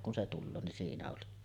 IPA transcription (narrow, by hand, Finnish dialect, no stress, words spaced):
kun se tulːoː nin siːnæ oli